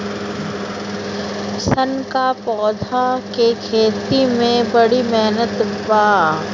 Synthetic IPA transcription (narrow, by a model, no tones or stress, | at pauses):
sənkapɔːd̪ʱakekʰeːt̪imẽbɐɽimɛɦnət̪baː